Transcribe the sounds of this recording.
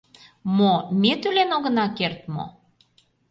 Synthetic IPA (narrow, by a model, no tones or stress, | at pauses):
momet̪ylenoɣə̆nɑkert̪mo̰